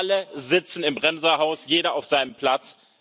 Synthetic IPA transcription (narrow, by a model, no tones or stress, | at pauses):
ləzɪt͡sn̩ɪmbʁɛmzɐɦaʊsjeːɾɐaʊfz̥aɪnəmpʰl̥at͡s